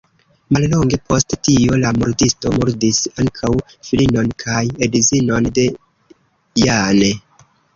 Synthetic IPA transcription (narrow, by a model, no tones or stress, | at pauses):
mallo̞ŋɡe̞pʰo̞sttio̞lamuɾdisto̞muɾdisaŋkʰaw | filino̞nkʰajedizino̞nde̞ | jane